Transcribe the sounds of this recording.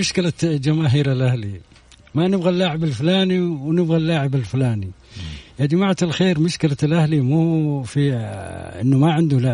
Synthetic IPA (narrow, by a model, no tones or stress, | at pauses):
ʊʃkɪlad͡ʒamaːɦiːɾalʔahli | manɪbɣalːaːʕɪbalfʊlaːniwnɪbɣalːaːʕɪbalfʊlaːnijad͡ʒamaʕat̪alxeːɾmʊʃkɪlalʔahlimuːfiʔɪ̰nːʊmaʕɪnd̪ʊlaː